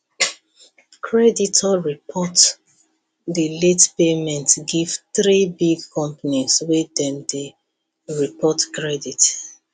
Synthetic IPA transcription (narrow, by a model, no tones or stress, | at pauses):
kʰɹɛditʰɔɹipʰɔt | dəletpemɛ̃ntɡiv̥θɾibiɡkʰɔ̃mpəniswedɛ̃mde | ɹipʰɔtkɹɛdit